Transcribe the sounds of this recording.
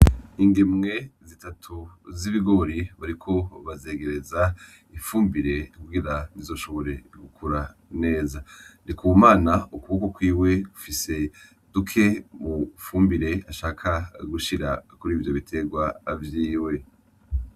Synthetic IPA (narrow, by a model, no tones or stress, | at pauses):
iŋɡimŋe̞zitatʰuziβiɡo̞ɾiβaɾikʰo̞βazeːɡe̞ɾe̞za | iɱfuːmbiɾe̞kuɡiɾanizo̞ːʃo̞βo̞ɾe̞ɡukʰuɾane̞ːzanikuwumaːnaukuβokokwiːwe̞ɡufise̞ | d̥ukʰe̞mufuːmbiɾe̞aʃaːkʰaɡuʃiɾa̰kuɾiːvjo̞βitʰe̞ɡwaːvjiːwe̞